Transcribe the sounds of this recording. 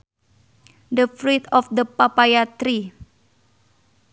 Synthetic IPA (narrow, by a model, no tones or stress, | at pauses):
dəfɾit̪ɔfd̪əpapajat̪ɾi